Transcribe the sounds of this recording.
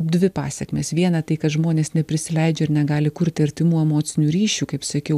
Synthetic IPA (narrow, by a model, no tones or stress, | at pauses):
pd̪ʲʋʲɪpɑ̰ːsʲɛkmʲeːsʋʲiɛnɐt̪ɐɪkɐt̪ʒmoːnʲeːsnʲɛpʲɾʲɪsʲɪlʲɛɪd͡ʒʲɛɪɾnʲɛɡɑːlʲɪkʊɾʲt̪ʲɪɐɾʲt̪ʲɪmuːɛmoːt̪sʲɪnʲuːɾʲiːʃʲuːkɐɪpsɐkʲɛʊ